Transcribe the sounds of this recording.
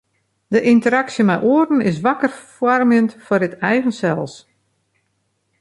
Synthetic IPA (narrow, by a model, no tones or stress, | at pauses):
dəʔintəɾaksjəmɛjʔoərn̩ɪs̬ʋakərfwɔrmjəntfɔrɪtɛjɣənsɛlˠs